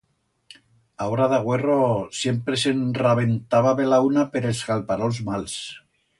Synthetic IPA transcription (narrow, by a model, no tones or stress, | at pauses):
aoɾaðaɣwerosjempɾesenraβent̪aβaβelaunapeɾelzɣalpaɾolzmals